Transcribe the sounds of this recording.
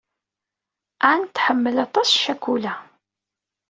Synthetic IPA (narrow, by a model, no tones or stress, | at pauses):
ant̪ːħəmːəlɑt̪ˤɑsʃækːulæ